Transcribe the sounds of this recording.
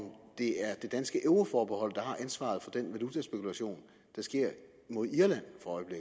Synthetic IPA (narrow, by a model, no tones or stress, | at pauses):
md̥e̝æɐd̥e̝d̥ænsɡ̥əʔeʊʁofɒːb̥ehɒ̽l̰d̥ɑ̈hɑ̈ʔænsʋɑ̰̈ð̞̩ˠfɒ̽d̥enʋælut͡sʰæsb̥e̝kʰulæɕo̝̰ːn | d̥ɑ̈sɡ̥e̝ɐ̰ | mo̝ð̞ˠiɐlæn̰fɒ̽ɒ̽ɪb̥le̝ɡ̥̩